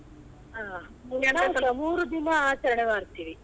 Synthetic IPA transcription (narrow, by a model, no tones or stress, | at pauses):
aː | unaɐmuːɾud̪inɐaːt͡ʃɐɾɐɳemaːɾt̪iːʋi